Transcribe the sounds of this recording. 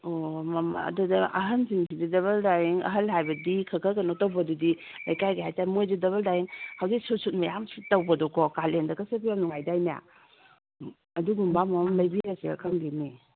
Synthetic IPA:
omɐma̰ɐ̰dudɐʔɐɦɐnsiŋsididɐβɐldajiŋɐ̰ɦɐlɦajbɐdikʰɐkʰɐkɐnotɐwbɐdudi | lajkajɡeɦajtaɾimojdidɐβɐldajiŋhawzik̚susut̚mɐjamsitɐwbɐdɔkʰɔkalendɐkɐsepijamnuŋajdajnija̰ | ɐduɡumbamɐmamlɐjbiɾaseɐ̰kʰɐmdini

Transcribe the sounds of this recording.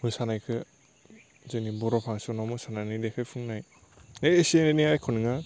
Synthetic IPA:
mɯsanajkʰɯ | zɯnibɔɾɔpʰaŋsɯnamɯsanajnidekʰɯjpʰuŋnaj | eseneniajkʰonɯŋa

